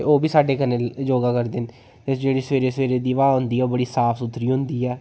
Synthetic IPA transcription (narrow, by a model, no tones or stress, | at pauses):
oːbiːsaːɖeːkəned͡ʒoːɡaːkəɾd̪eːn | t̪ɪsd͡ʒeːɽiːsʋeːɾeːsʋeːɾeːd̪iːʋaːɦʊ̃nd̪iːɛːoːbəɽiːsaːpʰsʊt̪ʰːɾiːɦʊ̃nd̪iːɛː